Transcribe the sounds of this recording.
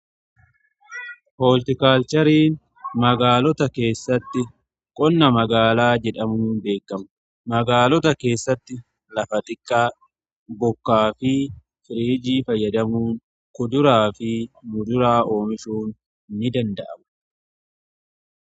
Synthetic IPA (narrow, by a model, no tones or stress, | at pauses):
hoːlt̪ɪkaːlt͡ʃɐɾiːn | mɐɡaːlɔt̪ɐke̞ːsːɐt̪ːɪ | kʼɔnːɐmɐɡaːlaːd͡ʒɛᶑɐmuːnbe̞ːkːɐmʊ̥ | mɐɡaːlɔt̪ɐke̞ːsːɐt̪ːɪ | lɐfɐt̪ɪkːaː | bɔkːaːfɪ | fɪɾiːd͡ʒiːfɐjːɐd̪ɐmuːŋ | kʊd̪ʊɾaːfɪmʊd̪ʊɾaːʔo̞ːmɪʃuːn | nːɪd̪ɐnd̪ɐʔɐmɐ̥